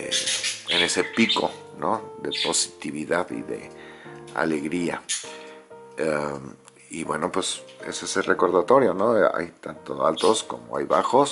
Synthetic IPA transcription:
eene̞sepiko̞̰ | noðe̞po̞si̥t̪iβiðaðḭðe̞̰ | a̰le̞ɣɾia̰ | a | iβwe̞no̞pwe̞se̞̰seselreko̞ɾðat̪o̞ɾjo̞noa̰jt̪ant̪o̞alt̪o̞sko̞̰moa̰jβaxo̞s

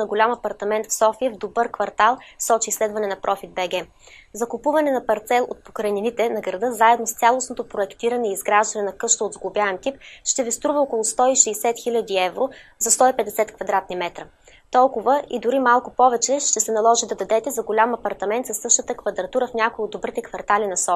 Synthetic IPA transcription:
nɐɡolʲamɐpɐɾt̪ɐmɛnt̪fsɔfiəvd̪obɤɾkvɐɾt̪alˠsɔt͡ʃiːslɛd̪vɐnɛnɐpɾʔɔfid̪̚bɛɡɛ | zɐkʊpuvɐnɛnɐpɐɾt̪sɛlˠʔo̰t̪̚pokɾɐninit̪ɛnɐɡɾɐd̪ɤzaɛd̪nost̪sʲalˠosnot̪opɾoɛkt̪iɾɐnɛiːzɡɾaʒd̪ɐnɛnɐkɤʃt̪oːd̪zɡlˠʊbjaɛnt̪ip̚ʃt̪ɛvist̪ɾuvɐɔkolˠʊst̪ɔiʃɛːsɛt̪xilʲəd̪iɛvɾozɐst̪ɔipɛd̪ɛsɛt̪kvɐd̪ɾat̪nimɛt̪ɾə | t̪ɔlˠkʊvəʔid̪ʊɾimalˠkʊpɔvɛt͡ʃɛʃt̪ɛsɛnɐlˠɔʒid̪ɐd̪ɐd̪ɛt̪ɛzɐɡolʲamɐpɐɾt̪ɐmɛnt̪sɐsːɤʃt̪ət̪əkvɐd̪ɾɐt̪uɾəfnʲakoiod̪ːobɾit̪ɛkvɐɾt̪alinɐsɔ

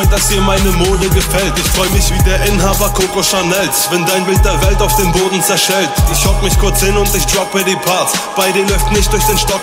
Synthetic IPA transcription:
d̥asd̥iːɐmaɪnəmoːdəɡəfɛltɪçfʁ̥ɔʏəmɪçv̥iːdeːɐʔɪnɦaːbɐkʰoːkoʃaɐnɛlsvɛndaɪnbɪlt̚d̥eːɐvɛltaʊfd̥eːnboːdn̩t͡sɛɐʃɛltɪçhɔkmɪçkʰʊɐt͡shɪnʊntɪçd̥ʁɔpədiːpʰasb̥aɪdelɔʏftnɪçt̚d̥ʊɐçd̥eːnʃtɔk

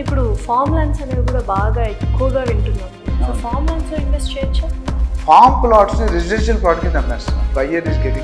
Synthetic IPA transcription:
ipːuɽufʰaːɾmlɐjnsɐneːikuːɽaːbaːɡaːekːuʋɐɡaːʋiɳʈunːaːsoːfʰaːɾmlɐjnsoinʋesʈt͡ʃeːɐt͡ʃːafʰaːmklaːʈsniɾed͡ʒiɖenʃ̬ɐlpɾaːʈɐkinɐmɛːst̪ã̰kɐjːɐnisɡeʈiŋ

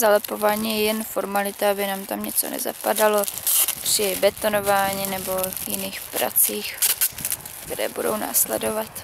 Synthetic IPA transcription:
zalɛpo̞vaːɲiːjɛjɛnfo̞ɾmalɪt̪aabɪnaːmt̪amɲɛt͡so̰nɛ̰za̰padalo̞pr̥ɪbɛt̪o̞no̞vaːɲiːnɛbo̞jɪniːxpɾʔa̰t͡siːx | kt̪ɛɾɛ̰ːbudo̞̰wna̰ːslɛ̰dovat̪

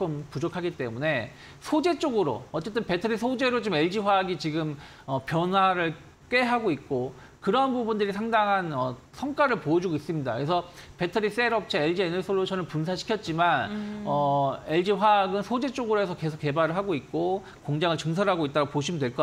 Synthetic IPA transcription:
kʌmpud͡ʑokʰaɡit͈e̞mune̞ | sʰod͡ʑet͡ɕ͈oɡɯɾo̰ʌt͡ɕ͈e̞t͈ɯnpe̞tʰɯɾis̬ʰod͡ʑe̞ɾot͡ɕome̞ɭd͡ʑiɸwaɡit͡ɕiɡɯm | ʌpjʌnɦwaɾɯɭ | k͈e̞ɦaɡoik̚k͈o | kɯɾʌɦanpubundɯɾisʰaŋdaŋɦanʌ | sʰʌŋk͈aɾɯɭpoʌd͡ʑuɡois͈ɯmɲida̰kɯes̬ʰʌpe̞tʰɯɾis͈eɾʌp̚t͡ɕʰeeɭd͡ʑienɯɭs͈ʰoɭːot͡ɕʌnɯnpunsʰaɕʰi̥kʰjʌt̚t͡ɕ͈imanʌe̞ɭd͡ʑiɸwaɡɯnsʰod͡ʑe̞t͡ɕ͈oɡɯɾoe̞sʰʌke̞sʰok͈ːe̞baɾɯɭɦaɡoik̚k͈o | koŋd͡ʑaŋɯɭt͡ɕɯŋs̬ʰʌɾɦaɡoit͈aɾaɡopoɕ̬ʰimndwe̞ɭk͈a

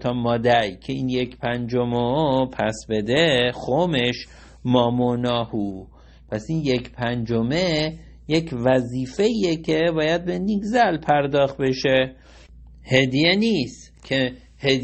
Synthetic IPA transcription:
t̪ʰɒːmɒːd̪æɾjcʰe̞iːnjecʰpʰænd͡ʒomopʰæsbe̞d̪exome̞ʃ | mɒːmonɒːhuː | pʰæsinjecʰpʰænd͡ʒome̞ | jecʰvæziːfe̞iecʰe̞bɒːjæd̪̚beniɡzælpʰæɾd̪ɒːxt̪̚be̞ʃe̞ | he̞d̪ijeniːst̪ | cʰe | he

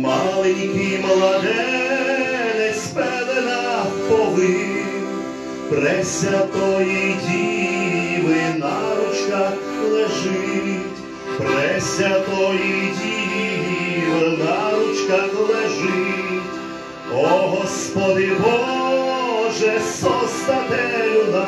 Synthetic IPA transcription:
malˠɛnʲkʲijmlˠɐd̪ɛ | nɛsʲpɛlɛnɐpɔlˠɪ | pɾɛsʲɐt̪ɔjijdʲijiʋɪnaɾʊt͡ʃkɐ | lˠɛʒɪtʲ | pɾɛsʲɐt̪ɔjijdʲiijiʋɪnaɾʊt͡ʃkɐxlˠɛʒɪtʲ | ɔɦɔspɔd̪ɪbɔ | ʒɛsɔst̪ɐnɛjʊna

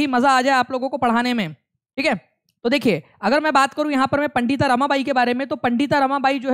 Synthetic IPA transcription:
imɐzaːd͡ʒaːeaːploːɡõkopɐɽ̤aːnemẽ | ʈʰiːkɦɛː | t̪od̪eːkʰie | ɐɡəɾmɛ̃ːbaːt̪kɐɾũjɐɦãpɐɾmẽpɐ̃ɳɖiːt̪aɾɐmãbaːikebaːɾemẽt̪opɐ̃ɳɖiːt̪aɾɐmabaːid͡ʒoːɦ

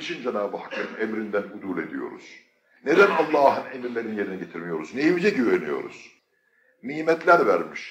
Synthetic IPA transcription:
iʃʰind͡ʒɛnaːbɯhakːɯɯnemɾind̪ænud̪ulˠe̞d̪ḭjo̞̰ɾṵz̥ | ned̪ænɑlˠːɑːɦɯnemiɾlʲe̞ɾinije̞ɾiniɟet̪ʰiɾmijo̞ɾuznejimd͡ʒɛɟibenijo̞̰ɾṵz̥ | niːmɛt̪ʰlʲæɾvæɾmiʃ

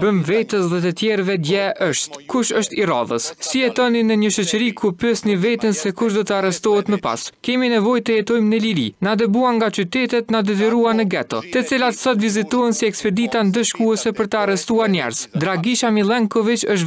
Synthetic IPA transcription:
bəmvɛt̪əsðɛt̪ət̪jɛɾvɛd̪jɛʔəʃt̪kuʃəʃt̪ira̰ðə̰sːijɛt̪ɔninəɲəʃɔt͡ʃəɾikʰupɛsnivɛt̪ənsɛkuʃd̪ɔt̪əarɛst̪ɔɦɛt̪məpa̰skɛminɛvɔjt̪əjɛt̪ɔjmnəliɾḭnad̪ɛbuaŋɡat͡ʃyt̪ɛt̪ɛt̪nad̪ɛt̪iɾuanəɡɛt̪ɔ̰t̪ɛt͡silat̪sɔt̪vizit̪ɔɦənsiɛkspɛd̪it̪and̪əʃkuɛsɛpəɾt̪əarɛst̪uaɾɲɛ̰ɾzd̪ɾaɡiʃamilˠɛŋkɔvit͡ʃəʃ̬

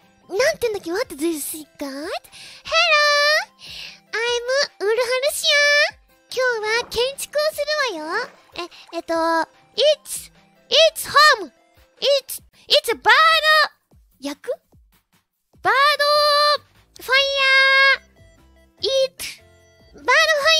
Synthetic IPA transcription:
nãnt̪eɯ̃nd̪akʲːemat̪ːezɯzisɨikat̪heɾo | aimɯɯɾɯ̟ɦanɯɕiã | kʲoːβakẽɲ̟t͡ɕi̥koːsɨɾɯmajo | eet̪o | its | itshom | its | itsbad̪o | jakɯ̟ | b̥ad̪o | ɸãja | it̪ | banoɸa

